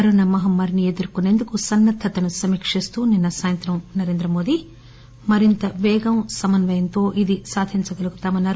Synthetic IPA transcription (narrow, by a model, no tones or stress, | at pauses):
ɐɾonɐmɐɦɐmɐɾnied̪uɾukuneːnd̪ukusɐnːɐt̪ʰːɐt̪ɐnusɐmiːkʂist̪uːninːɐsaːjɐnt̪ɾɐmnɐɾe̞ːnd̪ɾɐmo̞ːd̪i | mɐɾint̪ɐʋɛːɡɐmsɐmɐnʋɐjɐnt̪o̞ːʔid̪isaːd̪ʱiɲt͡ʃɐɡɐlukut̪aːmɐnːaːɾ